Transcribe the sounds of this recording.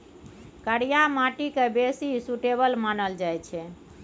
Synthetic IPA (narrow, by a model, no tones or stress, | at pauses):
kəɽijamaʈikebesisuʈebəlmanəld͡ʒajt͡ʃʰɛ